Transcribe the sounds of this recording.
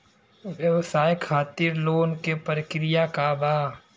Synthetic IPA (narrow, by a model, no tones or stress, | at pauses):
ʋjəʋsaːjkʰaːt̪iːɾloːnkepəɾəkɾɪjakabaː